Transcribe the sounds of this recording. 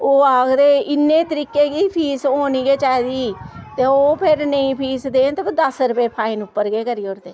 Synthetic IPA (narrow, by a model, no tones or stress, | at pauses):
oːaːɡɾeːʔɪnːeːt̪əɾiːkːeːɡiːpʰiːsoːniːɡeːt͡ʃaːd̪iːt̪eːoːpʰɪɾnəĩːpʰiːsd̪eːnt̪eːpʰɪd̪əsɾʊpeːpʰaːinʊpːəɾɡeːkəɾiːoːɾd̪eː